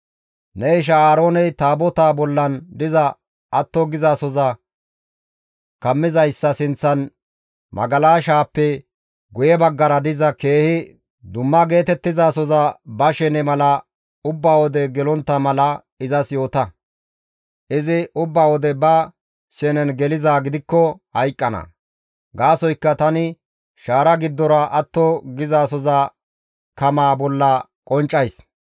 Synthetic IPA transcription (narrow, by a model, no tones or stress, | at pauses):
nɛɪʃ̬ɐaːɾo̞ːnɛjt̪aːbɔt̪aːbɔlːɐnd̪ɪzɐ | ʔɐt̪ːɔɡɪzasɔzɐ | kɐmːɪzɐjsːɐsɪnt͡sːɐn | mʔɐ̰ɡɐlaːʃaːpːɛ | ɡʊjɛbɐɡːɐɾɐd̪ɪzɐke̞ːhɪ | d̪ʊmːɐɡe̞ːt̪ɛt̪ːɪzaːsɔzɐbɐʃɛnɛmɐlɐ | ʊbːaːwɔd̪ɛɡɛlɔnt̪ːɐmɐlɐ | ɪzɐsjo̞ːt̪ɐ | ʔɪzɪʊbːaːwɔd̪ɛbɐ | sɛnɛnɡɛlɪzaːɡɪd̪ɪkːɔhɐjkʼːɐnɐ̰ | ɡaːsɔjkːɐt̪ɐnɪ | ʃaːɾɐɡɪd̪ːɔɾɐʔɐt̪ːɔɡɪzaːsɔza | kɐmaːbɔlːɐkʼɔnt͡ʃʼːɐjs